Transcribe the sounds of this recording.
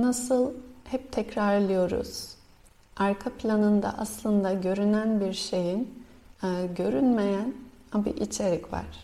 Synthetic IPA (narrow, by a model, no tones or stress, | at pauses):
nasɯlˠhɛp̚t̪ʰɛcɾaɾlˠɯjo̞ɾṵz̥ | aɾkʰapʰlʲanɯnd̪a̰ʔaslˠɯnd̪aɟø̞ɾynænbiɾʃe̞jinː | ɟø̞ɾynme̞jæn | abḭʔit͡ʃʰeɾɛcva̰ɾ̥